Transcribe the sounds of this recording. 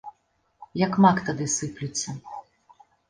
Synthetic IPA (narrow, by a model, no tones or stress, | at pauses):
jɐkmakt̪ɐd̪ɨsɨplʲut͡sʲːɐ